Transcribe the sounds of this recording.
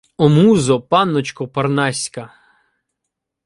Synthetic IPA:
ɔmuzɔpɑnːɔt͡ʃkɔpɐrnɑsʲkɐ

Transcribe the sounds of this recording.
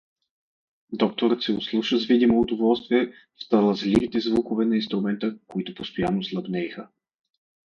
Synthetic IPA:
d̪ɔk̚t̪oɾət̪sɛʊslˠuʃəzvid̪imoːd̪ovɔlˠst̪viɛ | ft̪ɐlˠɐzlʲivit̪ɛzvukʊvɛnɐinst̪ɾʊmɛnt̪əkoit̪ʊpost̪ojanːoslˠɐbnɛjxə

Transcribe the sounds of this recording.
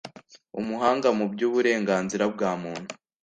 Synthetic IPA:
umuɦaːŋɡamubjuːβuɾe̞ːŋɡaːnziɾab̚ɡaːmuːn̥hu̥

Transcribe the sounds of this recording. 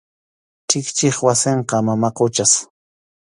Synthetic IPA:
t͡ʃɪkt͡ʃɪχwaseɴqɑmamaqʊt͡ʃas

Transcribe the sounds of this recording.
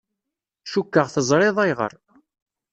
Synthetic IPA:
ʃukːəʁθəzˤɾˤeðˤæjʁə̰ɾˤ

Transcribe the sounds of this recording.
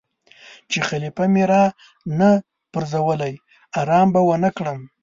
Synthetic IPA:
t͡ʃexalipameɾɑ | na | pəɾzawəlaj | aɾɑmbawənakɽəm

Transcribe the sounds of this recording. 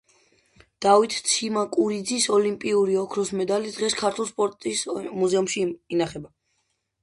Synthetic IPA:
d̪̥awit̪ʰt̪sʰimakʼuɾid̪zisɔlimpʼiuɾiɔkʰɾɔsmɛd̪alid̪ʁɛskʰaɾt̪ʰwulˠspʼɔɾt̪ʼismuzɛumʃiinaχɛba

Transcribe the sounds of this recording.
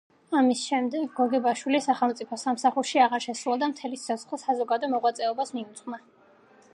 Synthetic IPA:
amisʃɛmd̪ɛɡɡɔɡɛbaʃwilisaχɛlˠmt̪sʼipʰɔsamsaχuɾʃiaʁaɾʃɛsɾulad̪amt̪ʰɛlit̪ʰɔt̪sχlisazɔɡad̪ɔmɔʁwat̪sʼɛɔbasmiut̪sʼχʼma

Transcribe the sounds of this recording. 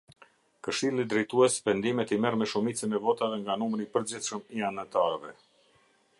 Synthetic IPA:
kəʃilˠid̪ɾɛjt̪uɛsvɛnd̪imɛt̪imɛɾmɛʃumit͡sənɛvɔt̪aðɛŋɡanumɾipəɾd͡ʑiθʃəmianat̪aɾvɛ

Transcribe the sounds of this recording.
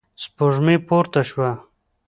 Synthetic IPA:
spoʐmipoɾt̪aʃwa

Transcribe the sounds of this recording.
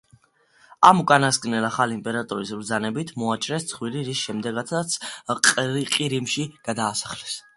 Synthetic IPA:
amukʼanaskʼnɛlaχaliːmpʼɛɾat̪ʼɔɾisbɾd̪zanɛbit̪ʰmɔat͡ʃʼɾɛst̪sʰχwiliɾisʃɛmd̪ɛɡat̪sat̪sʰʼ | qʼiɾimʃiɡ̥ad̪aːsḁχlɛs

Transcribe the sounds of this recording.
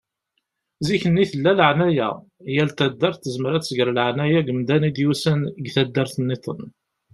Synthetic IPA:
ziçənːiθəlːæləʕnæjæ̰ | jælt̪æd̪ːæɾθt̪ːəzməɾæt͡ssəɡəɾləʕnæjæɡəmd̪ænid̪jusænɡθæd̪ːəɾθənːit̪ˤə̰n

